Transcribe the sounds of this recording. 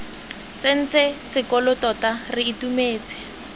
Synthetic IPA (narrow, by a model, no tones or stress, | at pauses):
t͡sen̩t͡sesɪkɔlʊtɔtarɪitumeːt͡sɪ̥